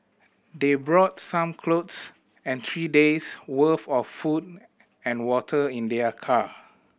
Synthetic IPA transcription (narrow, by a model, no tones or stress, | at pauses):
debɹɔtsãmkʰlots | ɛ̃nt̪ʰɹideswəfɔfːud | ɛ̃nwɔtʰəĩndɛəkʰa